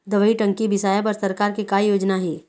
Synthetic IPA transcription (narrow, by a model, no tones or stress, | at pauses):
d̪ɐʋəiʈɐ̃ŋkibɪsaːjap̬ɐɾsɐɾkaːɾkikaːijoːd͡ʒnaɦɛː